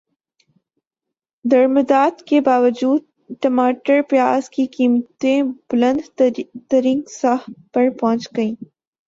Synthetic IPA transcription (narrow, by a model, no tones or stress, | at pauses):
d̪ɐɾmɪd̪ɑːd̪kebaːwəd͡ʒuːd̪̚ | ʈɐmɑːʈəɾpjɑːzkikimt̪ẽb̥ʊlɐnd̪t̪ɐɾiŋɡsahpɐɾpãːt͡ʃkəĩ